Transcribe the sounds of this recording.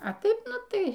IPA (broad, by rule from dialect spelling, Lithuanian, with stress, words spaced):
ɐ ˈtɐɪp ˈnʊ ˈtɐɪ